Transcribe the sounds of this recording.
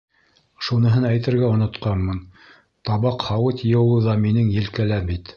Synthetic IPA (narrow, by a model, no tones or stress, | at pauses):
ʃunɤ̆ɦɤnæjt̪ɘ̆ɾɡæŏnŏt̪qɑnmɤn | t̪ɑβɑqhɑwɤt̪jɤ̆wlˠɤðɑminɘŋjɘ̆lkælæbit̪